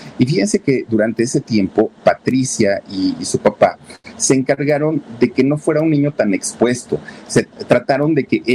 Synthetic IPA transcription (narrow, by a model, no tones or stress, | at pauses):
ifixe̞nse̞ke̞d̪uɾant̪e̞ese̞t̪je̞mpo̞pat̪ɾisjaisupapase̞ːŋkaɾɣaɾo̞nd̪e̞ke̞no̞fwe̞ɾaunːĩɲo̞t̪ane̞kspwe̞st̪o̞̰set̪ɾat̪aɾo̞nd̪e̞ke̞ʔe